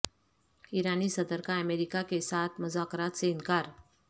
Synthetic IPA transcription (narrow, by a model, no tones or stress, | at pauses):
iɾanisəd̪əɾkaəmeɾikakesat̪ʰməzaːkɾat̪seɪnkaːɾ